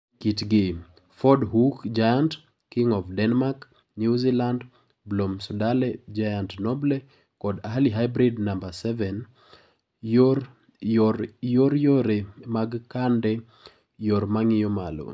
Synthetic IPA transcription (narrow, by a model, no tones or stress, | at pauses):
kitɡɪ | fɔdɦukd͡ʒajand | kːiŋɔfdɛnmak | njuziland | blomsudalɛd͡ʒajantnɔblɛ | kɔdaɦaliɦajbɾidnambasɛvɛn | joɾ | joɾjoɾemaɡkandɛ | joɾmaŋɪjɔmalo̰